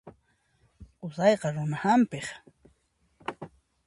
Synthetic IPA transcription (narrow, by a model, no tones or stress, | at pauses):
qʊsɑjqɑɾʊnahampeχ